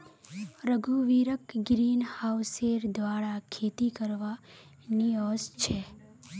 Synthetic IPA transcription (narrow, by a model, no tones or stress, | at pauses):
ɾəɡʱuʋiɾəkɡɾinhawseɾd̪ʋaɽakʰet̪ikəɾʋa | niɔst͡ʃʰe